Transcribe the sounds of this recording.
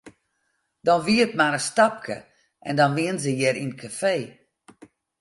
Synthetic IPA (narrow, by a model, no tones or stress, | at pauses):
dɔnʋiətmaɾəstap̚kʰə̰ | ʔɛ̰ndɔnʋiənzəjɛɾinkʰafeː